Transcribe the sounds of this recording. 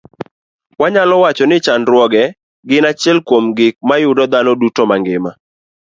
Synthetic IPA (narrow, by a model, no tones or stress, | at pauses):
waɲalɔwat͡ʃɔnɪt͡ʃanɾwɔɡɛ | ɡɪnat͡ʃjɛlkwomɡɪk̚majʊdɔd̪anɔdutomaŋɡɪma